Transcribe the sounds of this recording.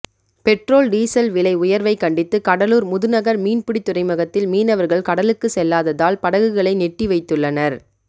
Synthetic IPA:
pɛʈroːlɖiːsɐlʋɪlɐɪʊjɐɾʋɐɪkɐɳɖɪt̪ːɯkɐɽɐluːɾmʊðɯnɐɣɐɾmiːnpɪɽɪt̪ːʊrɐɪmɐɣɐt̪ːɪlmiːnɐʋɐɾɣɐɭkɐɽɐlɯkːɯsɛlːaːðɐðaːlpɐɽɐɣɯɣɐɭɐɪnɛʈːiʋɐɪt̪ːɯɭːɐnɐɾ

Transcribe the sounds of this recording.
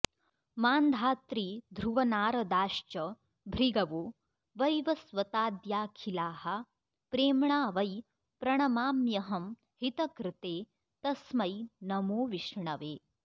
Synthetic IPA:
maːnd̪ʱaːt̪ɾiːd̪ʱɾuʋɐnaːɾɐd̪aːʃt͡ʃɐ | bʱɾiɡɐʋoː | ʋɐjʋɐsʋɐt̪aːd̪jaːkʰilaːɦɐ̆ | pɾeːmɳaːʋɐj | pɾɐɳɐmaːmjɐɦɐm | hit̪ɐkɾɪt̪eː | t̪ɐsmɐjnɐmoːʋiʂɳɐʋeː

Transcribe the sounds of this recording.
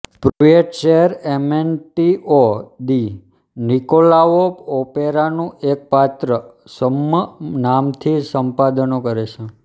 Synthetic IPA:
pɾuʋeʈʃeɦəɾemenʈiod̪i | nikolaopopeɾanũʔek̚pat̪ɾə | səmənamt̪ʰisəmpad̪ənokəɾet͡ʃʰe

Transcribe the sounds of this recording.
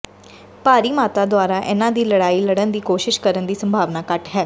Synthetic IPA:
paːɾiːmaːt̪aːd̪ʊaːɾaːʔɪnãːd̪iːləɽaːiːləɽənd̪iːkoːʃɪʃkəɾənd̪iːsəmbʱaːʋnaːkəʈɦɛː

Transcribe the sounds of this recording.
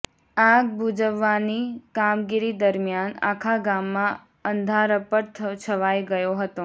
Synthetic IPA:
aɡ̚bʱud͡ʒəʋːanikamɡiɾid̪əɾmijana̰kʰaɡamːã | ənd̪ʱaɾəpəɾt̪ʰt͡ʃʰəʋajɡəjoɦət̪o

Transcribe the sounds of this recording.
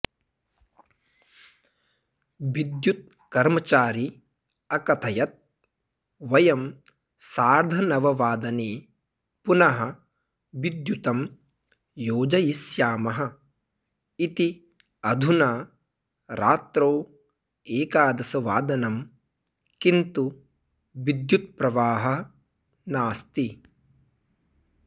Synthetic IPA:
ʋid̪jut̪̚ | kɐɾmɐt͡ʃaːɾi | ɐkɐt̪ʰɐjɐt̪̚ | ʋɐjɐm | saːɾd̪ʱɐnɐʋɐʋaːd̪ɐneː | punɐɦɐ̆ | ʋid̪jut̪ɐm | joːd͡ʒɐjisjaːmɐɦɐ̆ | it̪i | ɐd̪ʱunaː | ɾaːt̪ɾoː | eːkaːd̪ɐsɐʋaːd̪ɐnɐm | kint̪u | ʋid̪jut̪̚pɾɐʋaːɦɐ | naːst̪i

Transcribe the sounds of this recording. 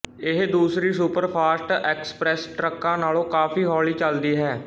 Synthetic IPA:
ɪɦd̪uːsɾiːsuːpəɾpʰaːsʈɛːkspɾɛːsʈɾəkːãːnaːlõːkaːpiːɦɔːliːt͡ʃəld̪iːɦɛː

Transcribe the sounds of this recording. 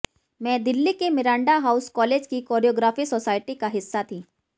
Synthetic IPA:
mɛ̃d̪ɪlːikemɪɾãːɳɖaɦauskɔːleːd͡ʑkikɔːɾijoɡɾaːfiːsɔsaːjʈikaɦɪsːat̪ʰiː

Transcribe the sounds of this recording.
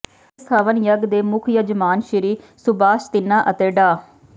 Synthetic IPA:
saːʋənjəɡd̪eːmʊkʰjəd͡ʒəmaːnʃɪɾiː | sʊbaːʃt̪ɪnːaːʔət̪eːɖaː

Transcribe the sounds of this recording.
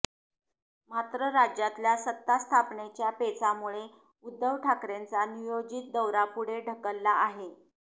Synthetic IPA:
mat̪ɾəɾad͡ʑjat̪ljasət̪ːast̪ʰapɳet͡ɕjapet͡samuɭe | ud̪ːəʋʈʰakɾent͡sanijod͡ʑit̪̚d̪əwɾapuɽ̤eɖʱəkəlːaːɦe

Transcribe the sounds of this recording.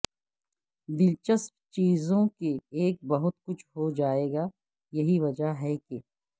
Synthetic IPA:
d̪ɪlt͡ʃəspt͡ʃiːzõkeeːk̚bɐɦʊt̪kʊt͡ʃʰɦod͡ʒaːeːɡaː | jɐɦiʋɐd͡ʒaɦɛke

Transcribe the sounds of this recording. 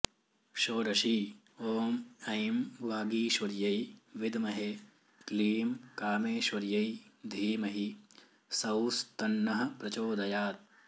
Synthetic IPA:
ʃoːɾɐʃiː | oːmɐjmʋaːɡiːʃʋɐɾjɐjʋɪd̪mɐɦe | kliːmkaːmeːʃʋɐɾjɐjd̪ʱiːmɐɦi | sɐwst̪ɐnːɐɦɐ̆pɾɐt͡ʃoːd̪ʱɐjaːt̪̚

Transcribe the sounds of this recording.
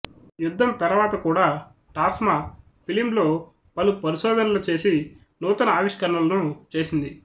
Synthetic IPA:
jud̪ʱːɐmt̪ɐɾʋaːt̪ɐkuːɽaː | ʈaːsma | pʰilimlo̞ː | pɐlupɐɾiʃɔːd̪ʱɐnɐlut͡ʃe̞ːsi | nuːt̪ɐnɐaːʋiʂkɐɾɳɐlɐnut͡ʃe̞ːsind̪i

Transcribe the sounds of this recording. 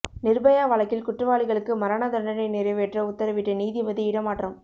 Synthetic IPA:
nɪɾbɐjaːʋɐɭɐkːɪlkʊʈrɐʋaːɭɪɣɐɭɯkːɯmɐɾaːnad̪ɐɳɖɐnɐɪnɪɾɐʋɛːʈrɐʊt̪ːɐɾɐʋɪʈːɐniːðiʋɐðiɪɽɐmaːʈːrɐm

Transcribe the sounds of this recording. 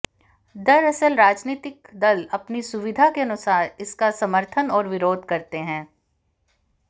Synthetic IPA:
d̪ɐɾɐsəlɾaːd͡ʒniːt̪ɪkd̪ɐlɐpnisʊʋɪd̪ʱakeɐnʊsaːɾɪskasɐməɾt̪ʰənɔːɾʋɪɾoːd̪ʱkɐɾt̪eɦɛ̃ː

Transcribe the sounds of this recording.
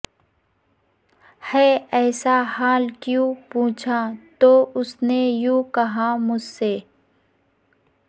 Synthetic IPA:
hɛːɛːsahaːlkjũpũːt͡ʃʰat̪oːʊsnejũːkɐɦamʊd͡ʒseː

